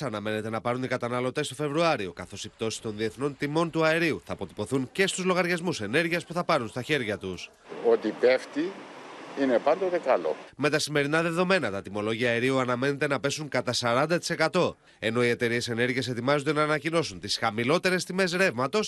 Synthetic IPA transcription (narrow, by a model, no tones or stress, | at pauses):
ɐnɐme̞ne̞t̪e̞nɐpɐɾunikɐt̪ɐnɐlo̞t̪e̞st̪o̞fe̞vɾuɐɾio̞kɐθo̞sipt̪o̞si̥t̪o̞nðie̞θno̞nt̪imo̞nt̪uɐeɾiuθɐːpo̞t̪ipo̞θuŋce̞st̪uzlo̞ɣɐɾʝɐzmuse̞ne̞ɾʝiɐspuθɐpɐɾunst̪ɐçe̞ɾʝɐt̪us | ot̪ipeft̪i | ine̞pɐnd̪ot̪e̞kɐlo̞̰me̞t̪ɐsime̞ɾinɐðe̞ðo̞me̞nɐt̪ɐt̪imo̞lo̞ʝiɐːeɾiuɐnɐme̞ne̞t̪e̞nɐpe̞suŋkɐt̪ɐsɐɾɐnd̪ɐt̪i̥se̞kɐt̪o̞ | e̞no̞ie̞t̪e̞ɾie̞se̞ne̞ɾʝie̞s̬e̞t̪imɐzod̪e̞nɐːnɐcino̞sunt̪isxɐmilo̞t̪e̞ɾe̞st̪ime̞s̬ɾe̞vmɐt̪o̞s